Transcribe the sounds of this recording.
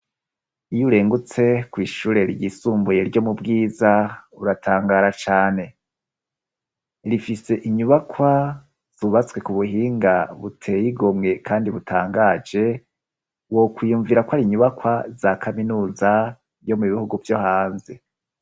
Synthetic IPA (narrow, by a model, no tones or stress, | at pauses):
ijuɾe̞ːŋɡut͡se̞kwiːʃuːɾe̞ɾiɟisuːmbuje̞ɾɟo̞mubɡiːzauɾatʰaːŋɡaːɾat͡ʃaːne̞ | ɾifise̞ʔiɲuβakʰwa | z̥uβat͡swe̞kuβuɦiːŋɡaβutʰe̞jiɡomŋe̞kʰaːndiβutʰaːŋɡaːd͡ʒe̞ | wo̞kwijuːɱviɾakwaɾiɲuβakwazakʰaminuːza | ɾjo̞muβihuɡuvjo̞haːnze